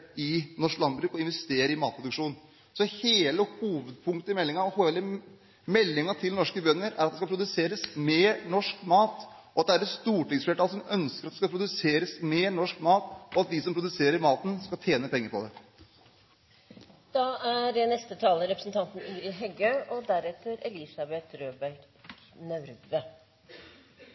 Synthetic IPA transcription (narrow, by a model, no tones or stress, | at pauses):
ɪnɔʂlɑnbɾʉːkɔɪnʋɛst̪eːɾəɾɪmɑːt̪̚pʰɾʊd̪ʉkʂuːn | sɔheːləhuːʋəd̪̚pʰʊŋkt̪əɪmɛlːɪŋɑɔhoːɛlə | mɛlːɪŋɑt̪ʰɪlnɔʂkəbœnːəɾæ̰ɾɑt̪̚d̪ɛskɑpʰɾʊd̪ʉseːɾəsmeːɾɳɔʂkmɑːt̪ | ʔɔɑt̪d̪ɛæɾətst̪uːʈɪŋsfleːʈʰɑːlsɔmœnskəɾɑt̪d̪ɛskɑpʰɾʊd̪ʉseːɾəsmeːɳɔʂkmɑːt̪ʔɔɑt̪̚d̪ɪsɔmpʰɾʊd̪ʉseːɾəɾmɑːt̪ən̩skɑlt̪ʰjeːnəpʰɛŋːəɾpʰɔd̪ɛ | d̪̥ɑæɖɛnɛst̪ət̪ʰɑːləɾɛpɾəsn̩t̪ʰɑnt̪n̩iːɾɪɦɛɡəʔɔd̪æɾɛt̪əɾɛlɪsɑbɛt̪ɾøːbæɾʈ | nœɾʋə